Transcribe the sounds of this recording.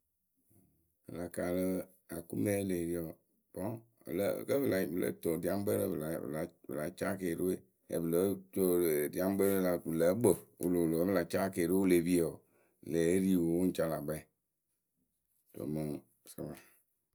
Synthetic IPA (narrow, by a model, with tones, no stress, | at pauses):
bə̰˨la˨ka˨lə˦ | a˨ku˦me˦le˨ɾi˦ɔ˨ | b̥ɔ̰˦˨ | lə̰˦˨kə˦bə˨la˨bɨ˨lə̰˨˦to˨di˨˦a˦m˦bə˦ɾə˦bla̰˨la˨bə˨la˨˦t͡ʃa˦ke˨ɾu˦e˦˨ | ḛ˨bɨ˨lə˨˦to˨di˨a˦m˦bə˦ɾə˦la˨bɨ˨lə˨˦ɡ͡bo˨ṵ˨lo˨lo˨˦bə˦la˨t͡ʃa˦ke˨ɾo˦o˦le˨bi˦e˨ | le˨˦ɾi˦˨wo˨˦wo˦n̩˦t͡ʃa˦la˨ɡ͡bɛ˦˨ | to̰˨mə˨ŋ | sə̰˦ba˨